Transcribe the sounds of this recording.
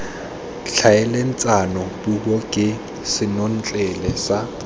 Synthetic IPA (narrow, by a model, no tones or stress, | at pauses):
ɬʰaɛlen̩t͡sʼanɔbubɔkʼɪ | sɪnon̩t͡ɬʼɛlɛsa